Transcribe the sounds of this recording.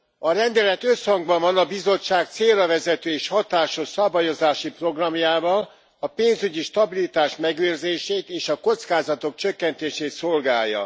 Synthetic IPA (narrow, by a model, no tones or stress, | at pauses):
ɒɾɛnd̪ɛlɛt̪ø̞shɒŋɡbɒɱvɒnɒbizo̞t͡ʃːaːk̚t̪seːrɒvɛzɛt̪øːeːʃhɒt̪aːʃoʃsɒbajo̞zaːʃipro̞ɡrɒmjaːvɒl | ɒpeːnzyɟiʃt̪ɒbilit̪aːʃmɛɡøːrzeːʃeːt̪eːʃɒko̞t̪skaːzɒt̪o̞k̚t͡ʃø̞kːɛnt̪eːʃeːt̪so̞lɡaːjːɒ̰